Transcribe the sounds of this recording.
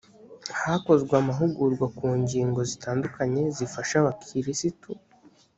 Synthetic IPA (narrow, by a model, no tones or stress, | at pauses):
hako̞zɡweamaɦuɡuɾɡwakuːɲɟiːŋɡo̞zitʰaːndukaɲe̞zifaʃaβakʰiɾisitu